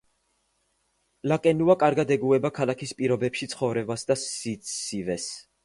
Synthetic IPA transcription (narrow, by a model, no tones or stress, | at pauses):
lakʼɛnuakʼaɾɡad̪ɛɡuɛbakʰalˠakʰispʼiɾɔbɛpʃit̪sʰχɔvɾɛbasd̪asiivɛs